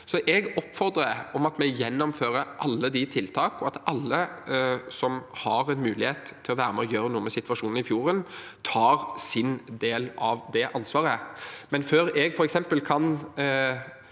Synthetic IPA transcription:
sɔʔɛɡɔpːfɔɾd̪ɾəɔmɑt̪mɛɡjɛnːɔmføːɾəɾʔɑlːəd̪ɪt̪ʰɪlt̪ʰɑːkɔɑt̪ɑlːə | sɔmhɑɾɛnmʉːlɪheːt̪ʰːɪlɔʋæːɾəmɛɔjøːɾənuːəmɛsɪt̪ʋɑʂuːnəɾɪfjuːɾənt̪ʰɑːɾsɪnd̪eːlɑʋd̪ɛʔɑnsʋɑːɾəmɛnføːɾɛɡfɔɾɛksɛmpəlkʰɑn

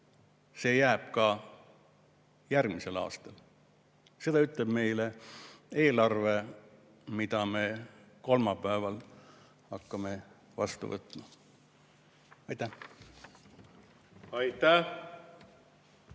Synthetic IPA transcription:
se̞ːjæːb̥kɑ | jærɡmise̞lɑ̰ːst̪ɑl | se̞d̪ɑyt̪ˑleb̥me̞jlee̞ːlɑrve | mit̪ɑme̞ko̞lmɑpˑæevɑl | ɑkːɑme̞ | vɑ̰st̪ṵvɤ̰t̪ːˑmɑ | ɑjt̪ːæh | ɑjt̪æ

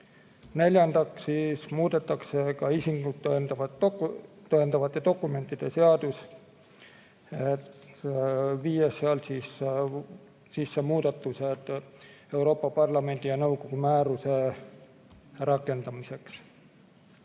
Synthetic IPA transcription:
ne̞lʲjɑnd̪̥ɑksismuːd̪̥e̞t̪ːˑɑksekɑisiŋɡut̪ːnd̪ɑvɑ | t̪oend̪ɑvɑt̪ːˑed̪̥o̞kːˑume̞nt̪ːˑid̪̥e̞seɑd̪us | et̪ | viːjesːeɑlsis | sisːemuːd̪̥et̪ːused̪̥ | e̞uɾo̞ːpːɑpɑrlɑme̞nd̪̥ijɑnɤwkokumæːɾuse̞ | rɑkːˑe̞nd̪t̪ɑmise̞ks

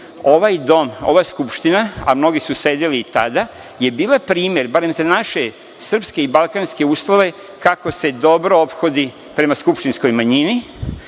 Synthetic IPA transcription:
o̞ʋajd̪o̞mo̞̰ʋaskupʃt̪inaa̰mno̞ɡisuse̞d̪iliːt̪ad̪a | je̞biːlapɾiːmje̞ɾbaɾe̞mzanaʃe̞ | sr̩pske̞ibalˠkanske̞uːslˠoʋe̞ | kako̞se̞d̪o̞bɾo̞opxo̞d̪i | pɾe̞maskupʃt̪insko̞jmaɲini

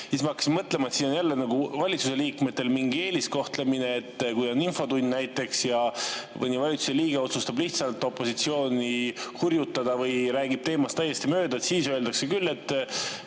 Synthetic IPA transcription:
siːsmɑɑkːɑ̥simmɤt̪le̞mɑet̪siːno̞njælːenɑɡuvɑlʲit̪suse̞liːkme̞t̪ːˑe̞lmiŋɡie̞ːlisko̞ht̪le̞mine̞ːt̪ːkujoninfo̞t̪unʲd̪næjt̪ːˑe̞ksjɑmɤ̰nivɑlʲit̪su̥se̞liːɡ̥eo̞t̪sust̪ɑbliht̪sɑlt̪ːˑo̞pːˑo̞sit̪sio̞ːnʲihurjut̪ːɑd̪̥ɑvɯjɾæːɡ̥ib̥̚t̪e̞ːmɑst̪æjːe̞st̪imø̞ːd̪ɑet̪siːsøe̞ld̪ɑkse̞kylːe̞t̪ːˑ

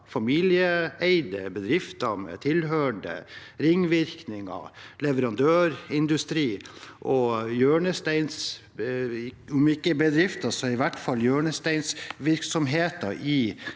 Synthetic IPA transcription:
fɑmiːlɪəæɪd̪əbəd̪ɾɪft̪ɑmɛ̰t̪ʰɪlɦøːəɳɖə̰ɾɪŋːʋɪɾknɪŋə̰lɛʋəɾɑnd̪øːɾɪnd̪ʉst̪ɾiːʔɔjøːɳəst̪ɛɪns | ʊmɪkːəbəd̪ɾɪft̪ɑsɔɪʋæʈːfɑljøːɳəst̪æɪnsʋɪɾksɔmɦeːt̪ɑɾʔɪ

